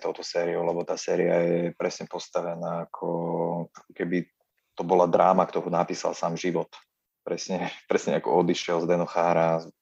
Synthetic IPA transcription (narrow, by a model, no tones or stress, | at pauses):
t̪ɔʊt̪ɔsɛːɾiɔʊlɛbɔt̪aːsɛːɾiajɛpɾɛsɲɛpɔst̪aʋɛnaːkʰɔakɔkɛbi | t̪ɔbɔlad̪ɾaːmakt̪ɔɦunapiːsa̰lˠsaːmʒiʋɔt̪ | pɾɛsɲɛpɾɛsɲɛakɔ̰ɔd̪iʃɪɛlzd̪ɛnɔxaːɾa